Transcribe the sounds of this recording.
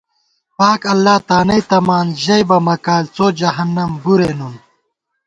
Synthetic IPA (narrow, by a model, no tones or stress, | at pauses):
paːkɐlːaːt̪aːnɐjt̪ɐmaːnʑɐjbɐmɐkaːlt͡soːd͡ʑɐɦɐnːɐmbuɾeːnum